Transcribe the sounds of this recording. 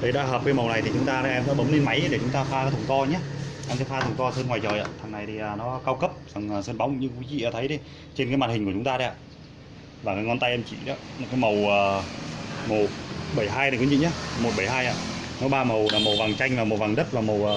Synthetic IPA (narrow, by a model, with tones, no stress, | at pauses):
ɗə˧˩jɗa̰ː˧˥ɦəː˨˩p̚kaː˨˦jmə˨˩wna˨˩jt̪ʰi˨˩t͡ɕʊ˨˦ŋ͡mt̪aː˧na˨˧˦ɛ˧mɗa̰ː˧˥ɓə˨˦ŋ͡mnle˧nma˨˦jɗe˧˩t͡ɕʊ˨˦ŋ͡mt̪aː˧faː˧aː˨˦t̪ʰə˨˩ŋ͡mt̪ɔ˧ɲa˨˦ʔɛ˧mt̪ə˨˦faː˧t̪ʰə˨˩ŋ͡mt̪ɔ˧səː˧nŋwaː˨˩jt͡ɕəː˨˩jʔa̰ː˧˨t̪ʰa˨˩ŋna˨˩jt̪ʰi˨˩ʔəː˨˩nɔ˨˦˧kaː˧wkə˦˥p̚za˨˩ŋː˨˩sə˧nɓa˨˦wŋ͡mɲɨ˧ŋki˨˦ḭ˧˨ʔaː˨˩t̪ʰə˨˦jɗe˧˦ | t͡ɕe˧nka˨˦maː˨˩nï̟˨˩ku˧˩ʊ˨˦ŋ͡mt̪aː˧ə˧ʔaː˨ | vaː˨˩kaː˨˦ŋɔ˧nt̪a˧jʔɛ˧mt͡ɕḭ˧˩˨ɗa̰ː˨˦nɔ˨˦kaː˨˦jmə˨˩wəː˨˩ | mo˨˩ɓə˧˩jɦaː˧jku˨˦zḭ˧˨ɲa˨˦mo˨˩t̚ɓə˧˩jɦaː˧jʔa̰ː˧˨ | nɔ˨˦ɓaː˧mə˨˩wlaː˨˩mə˨˩wva˨˩ŋt͡ɕa˧jŋ̟vaː˨˩mə˨˩wva˨˩ŋɗə˦˥t̚vaː˨˩mə˨˩wː